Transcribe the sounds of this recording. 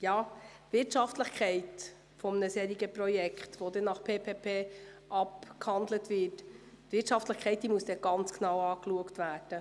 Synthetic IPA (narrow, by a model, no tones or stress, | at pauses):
jɑːtvɪtʃɑftləχkʰɛɪt | fɔmənəsɛːɾiɡəprɔjɛkχtʋodɛnɑχpʰeːpʰeːpʰeːʔɑpkhɑndlətvɪt | tvɪtʃɑftləɪχkʰɛɪt̚d̥iːmuəsd̥ɛɡ̥ɑnt͡sknɑwɑːkluəktvæːd̥ə